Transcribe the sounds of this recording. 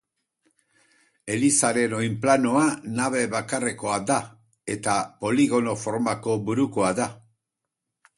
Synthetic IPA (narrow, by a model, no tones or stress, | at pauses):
e̞lisaɾe̞no̞jmplanoanaβ̞e̞βakare̞ko̞ad̪a | e̞t̪apo̞liɣo̞no̞fo̞ɾmako̞βuɾukoaða